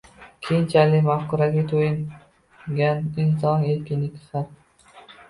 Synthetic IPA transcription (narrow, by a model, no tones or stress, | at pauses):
kʲʰejɪnt͡ʃʰalɪkʲmahkʊɾaɡʲat̪ʰojɪŋ | ɡʲanɪns̬ɒneɾkʲɪnlɪkʲsat̪